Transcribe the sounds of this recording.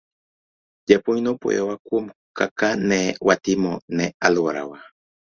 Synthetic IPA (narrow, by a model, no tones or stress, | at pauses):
japujnopo̰jawakuomkakanewat̪imonealwaɾa̰wa